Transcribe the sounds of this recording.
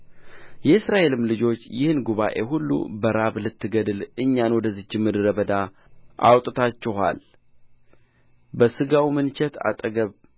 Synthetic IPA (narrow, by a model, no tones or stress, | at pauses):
jɛɨsɾaʔe̞lɨmlɨd͡ʒo̞t͡ʃːjɪhɨnɡuβaʔe̞ɦulːṵbəɾaβlɨt̪ːɨɡəd̪ɨlɨɲːanwɔd̪əzɨt͡ʃːɪmːɨd̪ɨɾəβəd̪a | ʔa̰wt̪ʼɨt̪ʰat͡ʃːɛɦa̰l | bəsɨɡawimɨnt͡ʃʰɛt̪ʰa̰t̪ʼəɡəβ